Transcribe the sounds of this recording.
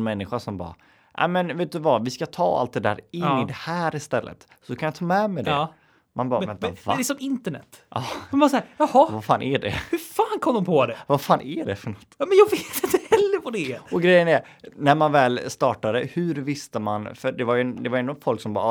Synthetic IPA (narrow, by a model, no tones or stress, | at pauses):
nmɛnːɪɧaʂɔmbɑ̰ː | nʔa̰mɛnveːt̪̚d̪ɵvavɪskat̪ʰɑ̰ːa̰lt̪̚d̪ɛd̪æ̰ːɾɪnːɪd̪ɛhæːɾɪst̪ɛlːə̰t̪ | sɔkʰanjɑt̪ʰɑːmɛmɛd̪ɛ | manbɑːvɛnt̪avasɔmɪnt̪əɳɛ̰t̪ːʔɑːfɔmasːɾjɑhɔvafaːnʔæɖɛ̰hɵfaːnkʰɔmd̪ɔmpʰɔd̪ɛvafaːnæɖɛfœɳɔt̪ːɑmɛnjɑːɡveːt̪ɪnt̪əhɛlːəɾpʰɔd̪ɛɔɡɾɛjːənæɾ | næɾmanvɛːlst̪ɑːʈad̪əhʉɾvɪst̪əmanfœɖɛvaɾjɵd̪ɛvajɛnːʊfɔlksɔmbɑ̰ː